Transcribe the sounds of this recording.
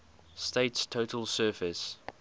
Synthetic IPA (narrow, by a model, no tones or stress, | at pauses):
steɪtstʰoʊtʰəlˠsɜːˑfɪs